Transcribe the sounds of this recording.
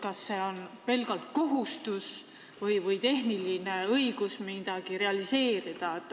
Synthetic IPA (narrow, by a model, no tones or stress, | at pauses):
kɑsːe̞o̞npe̞lɡɑlt̪̚ko̞ɦust̪us | vɤjvɤjt̪e̞ɦniline̞ɤjɡ̥usmid̪̥ɑɡ̥iɾe̞ɑlise̞ːɾid̪̥ɑ